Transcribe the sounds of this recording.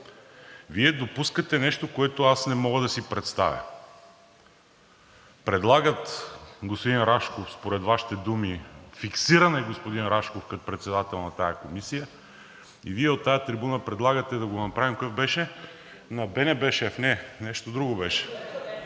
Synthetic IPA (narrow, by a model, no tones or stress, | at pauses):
viɛd̪opuskət̪ɛnɛʃt̪okoɛt̪oasnɛmɔɡəd̪ɐsipɾɛt̪st̪a̰vʲjɐ̰ | pɾɛd̪lˠaɡət̪ɡospod̪inɾaʃkofspoɾɛt̪vaʃi̥t̪ɛd̪umifiksiɾɐnɛɡospod̪inɾaʃkofkɐt̪opɾɛt̪sɛd̪at̪ɛlˠnɐt̪ajəkomisijə | ḭviɛot̪ːajət̪ɾibunəpɾɛd̪lˠaɡət̪ɛd̪ɐɡonɐpɾavimkokəfbɛʃɛ | nɐbɛnɛbɛʃɛfnɛnɛʃt̪od̪ɾuɡobɛʃɛ̥